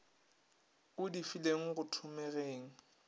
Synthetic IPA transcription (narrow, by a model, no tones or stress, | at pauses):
ʊdifileŋ̩ɣʊtʰʊmɛɣeːŋ̩